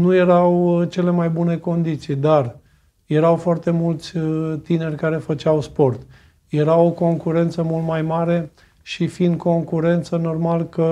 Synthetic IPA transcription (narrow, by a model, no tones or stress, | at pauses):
nuje̞ɾawt͡ʃe̞le̞majbune̞ko̞nd̪it̪sijd̪ar | je̞ɾawfoart̪e̞mult̪sʲt̪ine̞rʲkaɾe̞fət͡ʃawspo̞rt̪ | je̞ɾawoko̞ŋkuɾe̞nt̪səmult̪majmaɾe̞ | ʃifind̪̚ko̞ŋkuɾe̞nt̪səno̞rmalkə